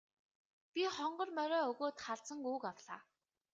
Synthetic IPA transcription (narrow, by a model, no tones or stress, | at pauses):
pʲiχɔɴɢɞ̆rmœɾœːɵɣoːt̪χaɮt͡sə̆ŋuːkawɮaː